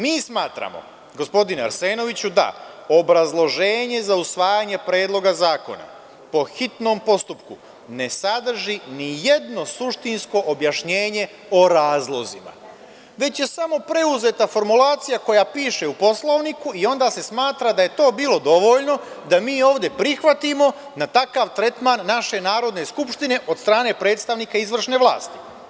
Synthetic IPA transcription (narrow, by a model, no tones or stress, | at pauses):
miːsmaːt̪ɾa̰mo̞̰ | ɡo̞spo̞d̪inea̰ɾse̞ːno̞ʋit͡ɕud̪a̰ | obɾazlˠo̞ʒe̞ːɲe̞zausʋaːjaɲe̞pɾe̞ːd̪lˠo̞ɡazaːko̞̰na̰ | po̞xit̪no̞ːmpo̞st̪upku | ne̞sad̪r̩ʒinije̞d̪no̞suʃt̪insko̞ʔobjaʃɲe̞ːɲe̞ | o̞ɾaːzlˠo̞zima̰ | ʋe̞t͡ɕje̞samo̞pɾe̞uze̞t̪afo̞ɾmulaːt̪sijako̞japiːʃe̞upo̞slˠo̞ʋnikuio̞nd̪aːse̞smaːt̪ɾad̪aje̞t̪o̞ːbiːlo̞d̪o̞ʋo̞ʎno̞ | d̪amiːo̞ːʋd̪je̞pɾixʋat̪imo̞nat̪akaʋt̪ɾe̞t̪manːaʃe̞naːɾo̞d̪ne̞skupʃt̪ine̞ʔo̞d̪st̪ɾaːne̞pɾe̞ːt̪st̪aʋniːkaizʋr̩ʃne̞ʋlˠa̰ːst̪i̥